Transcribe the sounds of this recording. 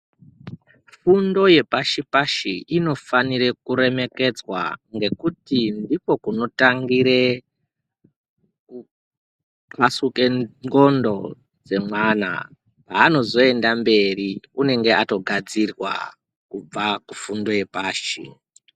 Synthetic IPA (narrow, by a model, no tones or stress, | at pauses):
fundo̞je̞paʃipaʃiʔino̞faniɾe̞kuɾe̞me̞ke̞d͡zwa̰ŋɡe̞kutindipo̞kuno̞taŋɡiɾe̞ | pasuke̞ŋɡo̞ndo̞ | d͡ze̞mwana̰ | paːno̞zo̞e̞ndambe̞riune̞ŋɡe̞ato̞ɡʱad͡zirwa̰ | kub͡vakufundo̞je̞paːʃḭ